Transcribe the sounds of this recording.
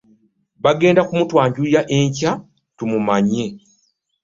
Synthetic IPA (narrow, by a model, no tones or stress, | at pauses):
βaɡe̞ːndakumutwaːɲɟujaʔe̞ɲca | tumumaɲːe̞